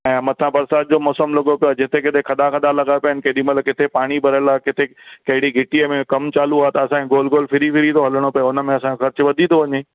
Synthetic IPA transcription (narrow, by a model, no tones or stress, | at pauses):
ɛ̃ːmɐt̪ʰãbɐɾsaːt̪̚d͡ʑoːmɔːsəmlɐɠopijoaːd͡ʑɪt̪ʰekɪt̪ʰekʰɐd̪akɐd̪alɐɡapɐɦɪnɪ̆kɐɦɪɗimɐt̪ləkɪt̪ʰepaːɽ̃ibʱɐɾəlaːkɪt̪ʰekɐɦɪɽiɡʱɪʈiəmẽkɐmt͡ɕaːluaːet̪ɐɐsãkʰẽɡoːlɡoːlfʰɪɾifɪɾit̪oɦɐləɽ̃opɐjʊnəmẽɐsãxɐɾt͡ɕʊ̆ʋɐd̪ʱĩnt̪oʋɐɲeː